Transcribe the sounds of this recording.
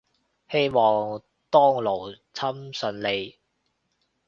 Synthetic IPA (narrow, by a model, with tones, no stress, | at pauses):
he˥jmɔː˨ŋ | t̪ɔː˥ŋlo˨˩w | t͡sʰɐ˥msɵ˨˧nle˨˧j